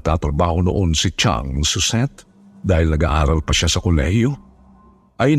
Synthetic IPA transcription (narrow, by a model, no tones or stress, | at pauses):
t̪at̪ɾɐbaːhono̰ʔonsɪt͡ʃa̰ŋsʊsɛt̪ | d̪aːhɪlnɐɡaʔaːɾɐlpɐʃasɐkolɛ̰hjo | ʔɐj